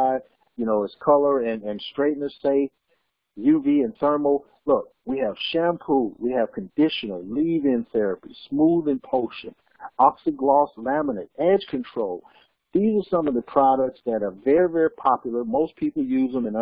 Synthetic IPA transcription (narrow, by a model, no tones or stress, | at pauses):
ɪd̚ | jɨnoʊɨz̥kʰʌlˠə˞ɨ̃nɨ̃nstɹ̥eɪʔⁿn̩ə˞seɪf | jʉviɨ̃nθɜ˞ml̩ˠ | lʊk̚wiɨv̥ʃæ̃mpʰɹulwiɨv̥kʰɨ̃n̩dɪʃɨ̃nl̩ˠlivɪ̃nθɛɹɨpismuðɨ̃npʰoʊʃɨ̰̃n | ɑksɨd̚ɡlɔslæmənɨɾɛd̥ʒ̥kʰɨ̃ntʰɹ̥oʊlˠ | ðizə˞sʌ̃mʌvðɨpʰɹ̥ɑɾək̚tsðɨɾə˞vɛɹivɛɹipʰɑpjl̩ˠə˞moʊspʰipl̩ˠjʉzðə̃mɨ̃n